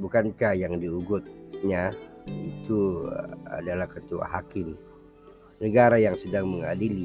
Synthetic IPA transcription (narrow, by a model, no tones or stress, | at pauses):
bukankahjaŋdiuɡʊt̪̚ɲait̪ṵ | a̰dalahkət̪ua̰ɦakɪm | nəɡaɾajaŋsədaŋməŋadili